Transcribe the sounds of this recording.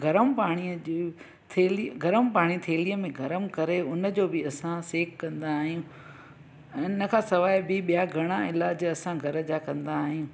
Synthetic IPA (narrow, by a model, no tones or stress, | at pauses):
ɡʱɐɾəmpaːɽ̃iəd͡ʑ | t̪ʰeːliɡʱɐɾəmpaːɽ̃it̪ʰeːliəmẽɡʱɐɾəmkɐɾeʊnə̆d͡ʑoːbɪɐsãseːkkːɐ̃nd̪aːɦijũː | ɪnə̆kʰãːsɐʋaːɪbɪɓijaɡʱɐɽ̃ãɪlaːd͡ʑɐsãɡʱɐɾəd͡ʑakɐ̃nd̪aːɦijũː